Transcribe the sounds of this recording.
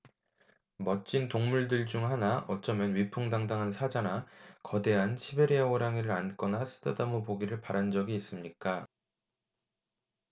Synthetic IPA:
mʌt͡ɕ͈intoŋmuɭdɯɭd͡ʑuŋɦanaʔʌt͡ɕ͈ʌmjʌnɥipʰuŋdaŋdaŋɦansʰad͡ʑanakʌdeɦanɕʰibeɾeaoɾaŋiɾɯɾank͈ʌnas͈ʰɯ̥dʰɯdamopoɡiɾɯɭpaɾand͡ʑʌɡiːs͈ɯmɲik͈a

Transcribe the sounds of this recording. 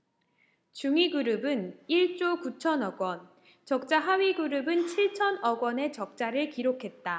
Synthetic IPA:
t͡ɕuŋiɡuɾɯbɯniɭt͡ɕ͈okut͡ɕʰʌnʌɡwʌn | t͡ɕʌk̚t͡ɕ͈aɦawiɡuɾɯbɯnt͡ɕʰiɭt͡ɕʰʌnʌɡwʌne̞t͡ɕʌk̚t͡ɕ͈aɾɯɭkiɾokʰe̞t̚t͈a

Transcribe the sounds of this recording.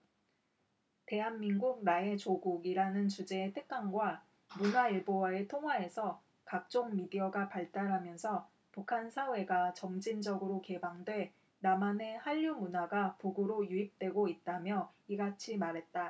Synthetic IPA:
te̞ɦanminɡuk̚nae̞t͡ɕoɡuɡiɾanɯnt͡ɕud͡ʑe̞ːtʰɯk̚k͈aŋɡwa | munaiɭbowaetʰoŋɦwae̞sʰʌ | kak̚t͡ɕ͈oŋmidiʌɡapaɭt͈aɾɦamjʌnsʰʌ | pukʰansʰawe̞ɡat͡ɕʌmd͡ʑind͡ʑʌɡɯɾoke̞baŋdwe̞ | namane̞haʎːumunaɡapuɡɯɾojuip̚t͈we̞ɡoit̚t͈amjʌiɡat͡ɕʰimaɾɦe̞t̚t͈a

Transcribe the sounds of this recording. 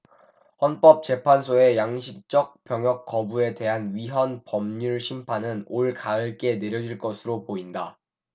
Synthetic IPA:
hʌnp͈ʌp̚t͡ɕ͈e̞pʰansʰoe̞jaŋɕʰik̚t͡ɕ͈ʌk̚p͈jʌŋjʌk̚k͈ːʌbue̞de̞ɦanɥiɦʌnpʌmɲuɭɕʰimpʰanɯnoɭkaɯɭk͈e̞ne̞ɾjʌd͡ʑiɭk͈ʌsʰɯɾopoinda

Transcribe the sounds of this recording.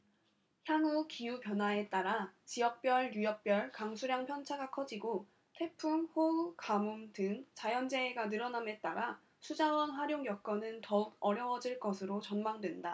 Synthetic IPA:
çjaŋukiupjʌnɦwae̞t͈aɾat͡ɕijʌk̚p͈jʌɭjujʌk̚p͈jʌɭkaŋsʰuɾjaŋpʰjʌnt͡ɕʰaɡakʰʌd͡ʑiɡo | tʰe̞pʰumɸokamumdɯŋt͡ɕajʌnd͡ʑe̞ːɡanɯɾʌname̞t͈aɾa | sʰud͡ʑawʌnɸaɾjoŋjʌk̚k͈ʌnɯntʌuɡ̚ʌɾjʌwʌd͡ʑiɭk͈ʌsʰɯɾot͡ɕʌnmaŋdwe̞nda

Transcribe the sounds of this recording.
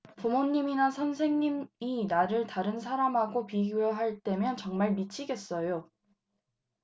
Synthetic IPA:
pumoɲːiminasʰʌnsʰe̞ŋɲiminaɾɯɭtaɾɯnsʰaɾamɦaɡopiɡjujʌɦaɭt͈e̞mjʌnt͡ɕʌŋmaɭmit͡ɕʰiɡe̞s͈ʌjo

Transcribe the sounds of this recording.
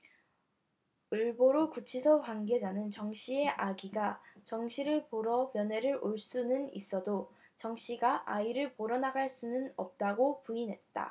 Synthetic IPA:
ɯɭboɾokut͡ɕʰisʰʌɸwanɡe̞d͡ʑanɯnt͡ɕʌŋɕ͈ʰie̞ʔaɡiɡat͡ɕʌŋɕʰiɾɯɭpoɾʌmjʌne̞ɾɯɾoɭs͈unɯnḭs͈ʌdo | t͡ɕʌŋɕ͈iɡaʔaiɾɯɭpoɾʌnaɡaɭs͈unɯnʌ̰p̚t͈aɡopuinɦe̞t̚t͈a̰

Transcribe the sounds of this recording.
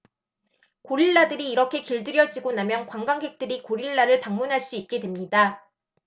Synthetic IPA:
koɾiɭːadɯɾiːɾʌkʰe̞kiɭdɯɾjʌd͡ʑiɡonamjʌnkwaŋɡaŋɡe̞k̚t͈ɯɾikoɾiɭːaɾɯɭpaŋmunɦaɭs͈uit̚k͈e̞dwemɲida

